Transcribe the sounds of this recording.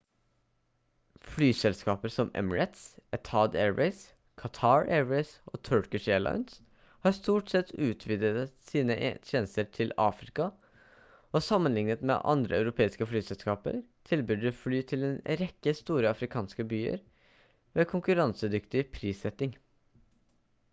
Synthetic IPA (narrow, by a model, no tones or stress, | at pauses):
flyːsɛlskɑːpəɾsɔmɛ̰mɹɛt̪sɛt̪ʰɑːd̪ḛːɹʋɛɪs | kʰɑt̪ʰɑːɹeːɹɛɪsʔo̰ːt̪ʰœɹkɪʂeːɭɑ̰ɪns | hɑɾst̪uːʈsɛt̪ːʉːt̪ʰʋiːd̪əsiːnəʔt̪ʰeːnəst̪əʈʰɪlɑ̰ːfɾɪkɑ | ɔsɑmːənlɪŋnət̪mḛːʔɑ̰nd̪ɾʔəɑ̰ʉɾʊpʰeːɪskəflyːsɛlskɑːpə̰ɾt̪ʰɪlbʏd̪əflyːt̪ʰɪlɛnɾɛkːəst̪uːɾəɑfɾɪkʰɑːnskəbyːə̰ɾ | ʋeːkʰʊŋkʉɾɑnsəd̪ʏkt̪ɪpʰɾiːsɛt̪ːɪŋ